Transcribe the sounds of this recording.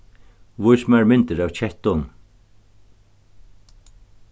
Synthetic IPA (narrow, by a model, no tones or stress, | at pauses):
vʊjsmaɹmɪnt̪əɾawt͡ɕʰɛht̪ɔn